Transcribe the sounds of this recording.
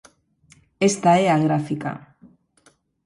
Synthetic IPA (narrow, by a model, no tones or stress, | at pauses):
e̞st̪aeaɣɾafika̰